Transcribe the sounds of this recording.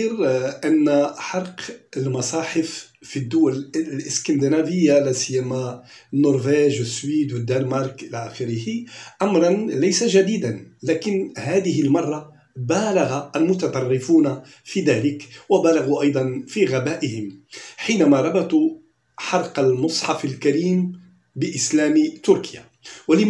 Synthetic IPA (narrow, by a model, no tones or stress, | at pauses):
ɾʔænːħɑɾˤqəlmɑsˤɑːħɪf | fid̪ːʊwællʔɪskænd̪ənævɪjːalæsəjːæma | nːoɾˤvæʒwəsːwiːd̪wəd̪ːænmɑɾˤkʔɪlæʔæxɪɾɪhiʔɑmɾˤɑnlæjsaʒæd̪iːd̪anlæːkɪnhaːd̪ɪɦɪlmɑrˤːɑ | baːlaɣaʔælmʊt̪ɑt̪ˤɑrˤːɪfuːna | fiːd̪æːlɪkwabælaɣuʔɑjd̪ˤɑnfiɣabæːʔɪhɪmħiːnæmaɾˤɑbɑt̪ˤu | ħɑɾˤqɑlmʊsˤħɑfalkæɾiːm | bɪʔɪslæːmt̪ʊɾkɪja | walɪ